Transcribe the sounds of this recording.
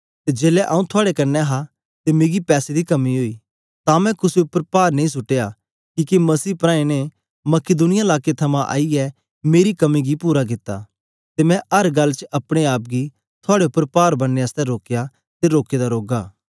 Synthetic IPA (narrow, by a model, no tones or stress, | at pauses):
t̪ed͡ʒeːlɛʔa̰ːũt̪ʰʊaːɽekɐɾnɛɦa | t̪emeːɡipɛːsed̪ikɐmiɦoːi | t̪ãmɛ̃kʊsʊpːəɾpaːɾnẽĩs̬ʊʈːeːa | kiːkemɐsiːpɾãːẽne | mɐkɪd̪ʊnɪjaɪlaːket̪ʰɐmãʔa̰ːiɛ | meːɾikɐmiɡipuːɾaɡ̬ɪt̪ːa̰ | t̪emɛ̃ɐɾɡɐlːt͡ʃəʔɐpɽ̃eaːp̚ɡi | t̪ʰʊaːɽeʊpːəɾpaːɾbɐnːeəst̪ɛɾoːkeja | t̪eɾoːked̪aɾoːɡaː